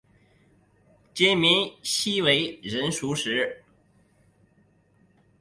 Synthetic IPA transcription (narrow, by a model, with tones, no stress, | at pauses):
t͡ɕɛ˥mi˧˥nɕi˥we˧˥ɪɻə˧˥nʂu˧˥ʂɻ̩˧˥